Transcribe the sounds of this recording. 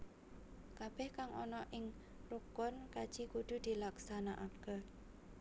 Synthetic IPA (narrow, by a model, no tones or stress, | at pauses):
kab̥ɛhkaŋʔɔ̰nɔʔɪŋ | rukʊnkad̥ʒ̥ikud̪̥ṳd̪̥i̤laksanaʔaɡ̥a